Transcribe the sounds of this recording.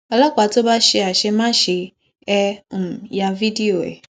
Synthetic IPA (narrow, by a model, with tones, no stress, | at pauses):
a˨la˦kʷa˨to˦ba˦ʃɪ˦a˨ʃe˦mã˦ʃɪ˨ | ɛ˦˨ja˦vi˦di˦o˨ḛ˨